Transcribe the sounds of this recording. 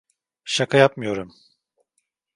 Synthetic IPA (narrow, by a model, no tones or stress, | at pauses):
ʃakʰajap̚mɯjo̞ɾum